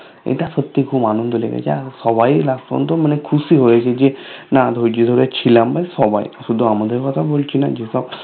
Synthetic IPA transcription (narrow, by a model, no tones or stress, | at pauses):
ḛt̪asət̪ːikʰuːbanund̪ɔlḛɡḛt͡ʃʰa̰sɔʋajlast̪ɔ̰nt̪ɔmənekʰusiɦojt͡ʃʰed͡ʒenad̪ʱojd͡ʒid̪ʱɔɾjat͡ʃʰilãmbajsɔba̰j̰asud̪ʱːɔamad̪ʱəjkɔt̪ʰabolt͡ʃʰina̰d͡ʒesɔb